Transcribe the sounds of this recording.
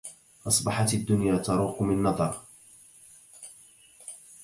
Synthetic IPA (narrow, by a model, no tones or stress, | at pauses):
ʔɑsˤbɑħɑt̪ad̪ːʊnjaːt̪ɑɾˤuːqʊmɪnːɑðˤɑɾˤ